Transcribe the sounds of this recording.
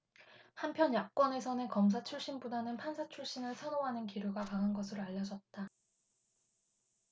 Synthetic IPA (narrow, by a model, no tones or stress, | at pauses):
hampʰjʌnjak̚k͈wʌne̞sʰʌnɯkʌmsʰat͡ɕʰuɭɕ͈inbodanɯnpʰansʰat͡ɕʰuɭɕ͈inɯɭsʰʌnoɦanɯnkiɾuɡakaŋɦanɡʌsʰɯɾoaʎːʌd͡ʑʌt̚t͈a